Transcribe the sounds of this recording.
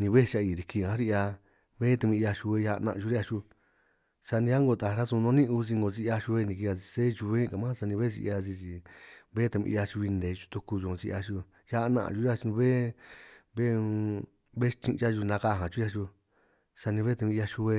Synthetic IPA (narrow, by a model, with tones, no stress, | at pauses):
nĩ˧βe˦˧t͡ʃa˧iː˧˨ɾi˧kĩ˧˨ã˦ɾi˧a˧ | βe˦t̪u˧mĩ˧a˧ʃu˧e˧ja˧ʔnã̰˧ʔu˧ɾi˦a˧ʃu˧ | sa˧nĩ˧a˦ŋɡo˧t̪a˨˧ɾa˦sũ˧nõ˧˦nĩ˦˧u˧zi˧ŋɡo˧zi˧a˧ʃu˧βe˧nĩ˧k̬i˧a˧zi˧se˦t͡ʃu˧βe˦˧ka˨mã˦˧sa˧nĩ˧βe˦zḭ˧ʔa˧zi˧si˧˨βe˦t̪a˧βḭ̃˧a˧t͡ʃu˧βi˧nd̪e˨˧t͡ʃu̥˧t̪u˧ku˧ʒo˧zi˧ʔa˧ʃu˧ | ja˧nã̰˧ʔʒu˧˦ɾa˧t͡ʃũ˧βe˦ | βe˦˧ | βe˦˧t͡ʃĩ˧t͡ʃa˦˧ʒu˧nã˧ka˧˨ɦã˨t͡ʃu˦a˧ʃu˧ | sa˧nĩ˧βe˦t̪u˧ĩ˧a˧ʃu˧βe˧